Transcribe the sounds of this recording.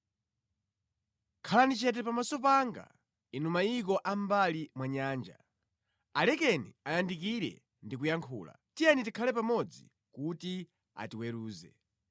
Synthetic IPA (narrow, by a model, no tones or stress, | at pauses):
kʰalanit͡ʃɛt̬ɛpamasɔpaŋɡa̰ | inumaikɔʔam̩balimwaɲaːnd͡ʒa̰ | alɛkɛniajandik̬iɾɛ̰ | ndikujaŋkʰṵːla̰tijɛnitikʰalɛpamɔd͡zi | kuti | a̰tiwɛɾuːzɛ